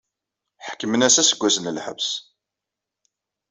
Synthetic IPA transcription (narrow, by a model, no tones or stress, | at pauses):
ħkːəmənæsæsəɡʷːæsənəlħə̰vs